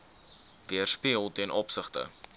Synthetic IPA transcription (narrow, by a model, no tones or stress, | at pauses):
viərspiəlˠtiənʔɔpsəχtə̰